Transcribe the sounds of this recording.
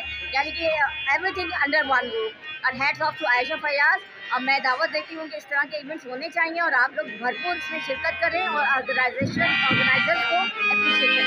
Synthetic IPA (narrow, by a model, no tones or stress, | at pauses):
jaːnikieʋɾit̪ʰɪ̃ŋɐ̃ɳɖəɾʋɐ̃nʋuːɐnɦɛːɖsɔːfʈʰuaːjʃãpɐiaːs | mɛ̃ːd̪aːʋət̪̚d̪eːt̪iɦũːkeɪsʈəɾãkʰeiːʋɛ̃ɳʈsɦoːnet͡ɕaːɦĩãɔːɾaːploːkbʱɐɾpuːɾsẽʃɪɾkət̪̚kɐɾẽɔːɾɔːɾɡənaɪzeːʃə̃nɔːɾɡənaːɪzəɾzkõɐtʰĩt͡ʃʰɪliã